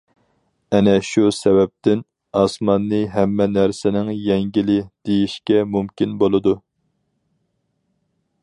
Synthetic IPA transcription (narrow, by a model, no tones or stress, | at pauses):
ɛnɛʃusɛvɛp̚t̪ɪn | ɑsmɑnːɨɦɛmːɛnæɾsɪnɪŋjɛŋɡʲilɪd̪̥ejiʃkʲɛmumkʲinbolˠɨd̪u